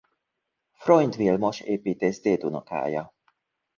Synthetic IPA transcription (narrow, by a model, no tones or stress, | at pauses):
fɾɔjnt̪viːlmɔʃepit̪esd̪eːd̪unɔka̰ːjɐ